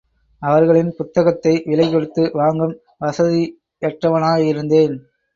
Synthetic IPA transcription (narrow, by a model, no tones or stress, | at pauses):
ɐʋɐɾɣɐɭɪnpʊt̪ːɐɣɐt̪ːɐɪʋɪlɐɪkɔɽɯt̪ːɯʋaːŋɡɯm | ʋɐsɐði | ɛʈrɐʋɐnaːɣɐɪɾɯnd̪eːn